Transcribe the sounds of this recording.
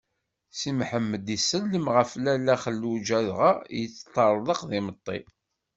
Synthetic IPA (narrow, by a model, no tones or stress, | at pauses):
simħəmːəd̪isːəlːəmʁəflælːæχəlːud͡ʒæðʁajət͡sːt̪ˤːɑɾˤðˤəqðimət̪ˤːḭ